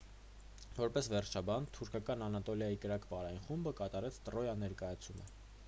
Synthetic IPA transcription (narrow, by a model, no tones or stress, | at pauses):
vɔɾpɛsvɛrt͡ʃʰɑbɑnt̪ʰuɾkʰɑkɑnɑnɑt̪ɔljɑjikəɾɑkvɑɾɑjinχumbəkɑt̪ɑɾɛt͡sʰt̪əɾɔjɑnɛɾkɑjɑt͡sʰumə̰